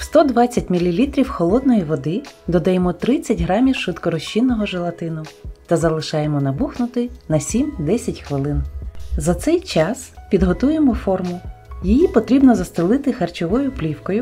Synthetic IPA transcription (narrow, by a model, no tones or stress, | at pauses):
wst̪ɔd̪ʋɑt͡sʲːɐt̚ʲmʲilʲilʲit̪ɾʲiwxɔlˠɔd̪̚nɔjiʋɔd̪ɪd̪ɔd̪ɐjemɔt̪ɾɪt͡sʲːɐtʲɦɾɑmʲiwʃɪt̪kɔɾɔʃt͡ʃːinːɔɦɔʒelˠɐt̪ɪnʊt̪ɐzɐlˠɪʃɑjemɔnɐbuxnʊt̪ɪnɐsʲimd̪ɛsʲɐtʲxʋɪlˠɪnzɐt̪sɛjt͡ʃɑspʲid̪ɦɔt̪ujemɔfɔrmʊjijipɔt̪ɾʲibnɔzɐst̪ɪlˠɪt̪ɪxɐrt͡ʃɔʋɔjʊplʲiwkɔjʊ